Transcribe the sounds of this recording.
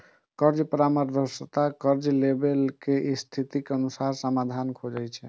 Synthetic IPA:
kəɾd͡ʒəpɾaməɾd̪ʱəsət̪akəɾd͡ʒlebelkeʔist̪ʰit̪ikeənusaɾsəmad̪ʱankʰod͡ʒɛjt͡ʃʰɛ

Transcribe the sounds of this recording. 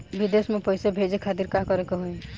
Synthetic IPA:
bid̪esmepɔjsebʱed͡ʒekʰat̪iɾkãkɔɾekɔɦoe

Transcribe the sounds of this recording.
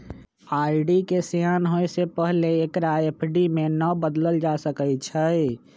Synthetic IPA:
aiɖikesjanɦoesepəɦleːkɾaepʰɖimenəbəd̪ləld͡ʒasəkət͡ʃʰə

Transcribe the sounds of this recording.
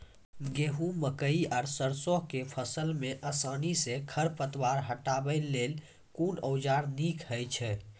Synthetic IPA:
ɡeɦũməkəiaɾsəɾsoɦkepʰəsəlmeʔəsanisekʰəɾpət̪ʋaɾɦəʈabəɪlːel | kunəwd͡ʒaɾnikʰɦəjt͡ʃʰɛ

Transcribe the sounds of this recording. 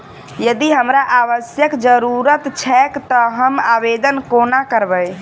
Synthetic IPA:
jəd̪iɦəmɾaʔaβəsjəkd͡ʒəɾuɾət̪t͡ʃʰɛkt̪ɔɦəmabed̪ənkonakəɾbəj

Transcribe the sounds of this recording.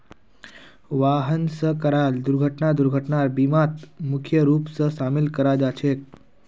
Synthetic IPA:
ʋaɦənsəkəɾald̪uɾɡʱəʈnad̪uɾɡʱəʈɳaɾbimat̪mukʰjəɾuːpsəsamilkəɾad͡ʒat͡ɕʰek̚

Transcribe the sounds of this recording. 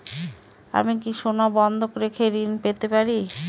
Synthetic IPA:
a̰mikiʃonabɔnd̪ʱokoɾekʰeɾinpet̪epaɾi

